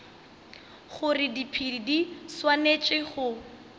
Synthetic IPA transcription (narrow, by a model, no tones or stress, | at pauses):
χʊrɪdipʰiidiswanet͡ʃʼɪχʊ